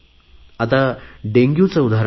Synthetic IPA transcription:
at̪aɖẽŋɡjũt͡səud̪ʱaɾ

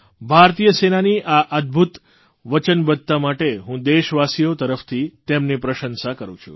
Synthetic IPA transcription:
bʱaɾt̪ijəsenaniʔaʔəd̪̚bʱut̪ | ʋət͡ʃənbəd̪̚t̪amaʈeɦũd̪eʃʋasijot̪əɾəft̪ʰit̪emnipɾəʃənsakəɾṵ̃t͡ʃʰṵ

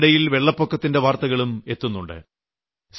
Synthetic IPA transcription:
ɽɐjilʋe̞ɭːɐpːokːɐt̪ːinde̞ʋaːrt̪ɐɣɐɭume̞t̪ːunːuɳɖɨ̰ | s

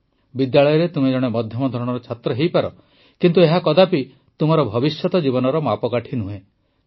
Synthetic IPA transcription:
bid̪jaɭɔjɔɾet̪umed͡ʒɔɽ̃emɔd̪ʱjɔmɔd̪ʱɔɾɔɽ̃ɔɾɔt͡ʃʰat̪ɾɔɦejpaɾɔ | kint̪ueɦakɔd̪api | t̪umɔɾɔbʱɔbisjɔt̪ɔd͡ʒibɔnɔɾɔmapɔkaʈʰinuɦẽ

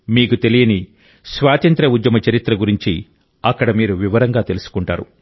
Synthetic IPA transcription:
miːkut̪e̞lijɐni | sʋaːt̪ɐnt̪ɾɐud̪jɐmɐt͡ʃɐɾit̪ɾɐɡuɾiɲt͡ʃi | ɐkːɐɽɐmiːɾuʋiʋɐɾɐŋɡaːt̪e̞lusu̥kuɳʈa̰ːɾṵ

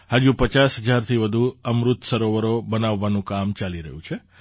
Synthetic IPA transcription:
had͡ʒupət͡ʃasɦəd͡ʒaɾt̪ʰiʋəd̪ʱuəmɾut̪səɾoʋəɾobənaʋːanũkamt͡ʃaliɾə̰ɦjũt͡ʃʰe

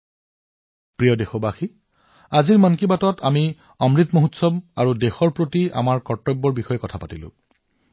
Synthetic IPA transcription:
pɹijɔdexɔbaxi | aziɹmankibatɔtʰami | ɔmɹit̪moɦutsɔbaɹudexɔɹpɹotia̰maɹkɔɹtɔbːɔɹbixɔjɛkɔtʰapatilʊ̰̃

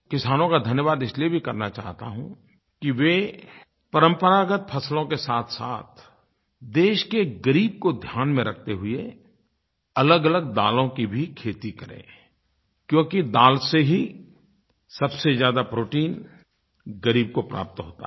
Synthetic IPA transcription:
kɪsaːnõkad̪ʱɐnjəʋaːd̪ɪsliebʱikɐɾnat͡ʃa̰ːɦt̪a̰ɦṵ̃ | kiʋe | pɐɾə̃mpəɾaːɡət̪̚pʰɐslõkesaːt̪ʰsa̰ːt̪̚ʰ | d̪eːʃkeɡəɾiːb̚kod̪ʱjaːnmẽɾɐk̚ʰt̪eɦʊe | ɐləɡələɡ̚d̪aːlõkibʱikʰeːt̪ikɐɾḛ̃ː | kjõːkid̪aːlseɦi | sɐbsezjaːd̪apɾoːʈiːn | ɡɐɾiːb̚kopɾa̰ːp̚t̪ɦoːt̪a̰

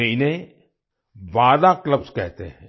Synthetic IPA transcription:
eine | ʋaːd̪akləbskɛɦt̪eɦɛ̃

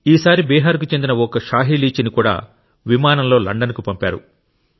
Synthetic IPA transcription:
iːsaːɾibɛːɦaːɾk̬ut͡ʃe̞nd̪inɐɔkɐʃaːɦiliːt͡ʃinikuːɽa̰ː | ʋimaːnɐmlo̞ːlɐ̰ɳɖɐnkupɐmpa̰ːɾṵ

